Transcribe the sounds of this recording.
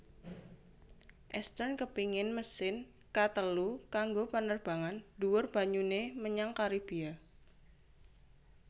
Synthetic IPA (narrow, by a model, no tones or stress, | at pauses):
ʔɛst̪ərnkəpiŋɪnməsɪn | kat̪əlukaŋɡopənərb̥a̤ŋanduwʊrb̥a̤ɲuneməɲaŋkaɾib̥ia